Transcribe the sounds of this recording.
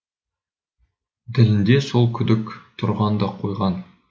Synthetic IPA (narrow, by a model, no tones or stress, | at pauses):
d̪ɪ̆lɪnd̪e̞so̞lˠkʲʰʏd̪ɪkt̪ʰʊɾʁɑnd̪ɑqʰojʁɑn